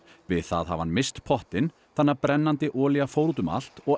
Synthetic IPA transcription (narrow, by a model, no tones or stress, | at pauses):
vɪðθa̰ðha̰va̰nmɪst̪pʰɔht̪ɪn | θanːaɾpɾɛnːant̪ɪʔɔːliɣafoːwɾut̪ʏma̰l̥t̪ɔɣ